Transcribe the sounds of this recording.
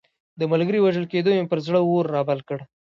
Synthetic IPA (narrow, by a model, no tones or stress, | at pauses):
d̪əmalɡəɾiwaʒəlked̪omepəɾzɽəwoɾːɑbalkəɽ